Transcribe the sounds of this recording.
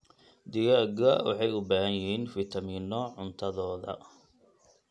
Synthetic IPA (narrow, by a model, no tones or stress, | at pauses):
d̪ɪjaɡɐwɑ̰ħɑjʊbaːhɐnjɪhiːnfit̪ʰɐmiːnɔʕʊnt̪ʰɐðɔːðɐ̰